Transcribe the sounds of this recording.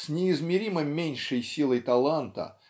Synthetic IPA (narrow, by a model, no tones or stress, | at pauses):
sʲnʲɪːzmʲɪɾʲimɨmʲenʲʂɨjsʲilˠəjt̪ɐlˠant̪ə̰